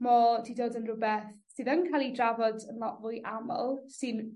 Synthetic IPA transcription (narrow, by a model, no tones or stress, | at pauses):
mɔdidoːdənrʊbɛθsɨðənkʰajlˠidravɔdənlˠɔʔvʊjʔamə̰lˠsɨn